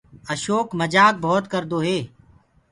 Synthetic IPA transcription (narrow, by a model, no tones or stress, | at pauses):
əʃoːkməd͡ʒaːk̚bʱoːt̪kəɾd̪oːɦeː